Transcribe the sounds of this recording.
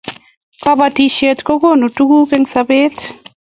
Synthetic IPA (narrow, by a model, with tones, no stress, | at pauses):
ka˦ba˨ti˨ʃe˨tko˦ko˦nu˨tu˦ɡu˦ke˦ŋsa˧be˦t